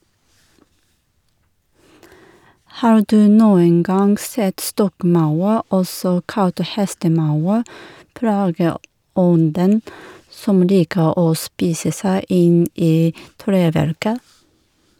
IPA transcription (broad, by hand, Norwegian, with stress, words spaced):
ˈhɑːɾ ˈdʉː ˈnuːəŋ ˈɡɑŋɡ ˈsɛt ˈstɔkˌmɑʉɾ ˈɔsɔ ˈkɑlt ˈhɛstəˌmɑʉɾ ˈplɑːɡəˌɔndən ˈsɔm ˈliːkə ˈoː ˈspiːsə ˈsæɪ ˈɪn ˈiː ˈtɾeːˌʋæɾkə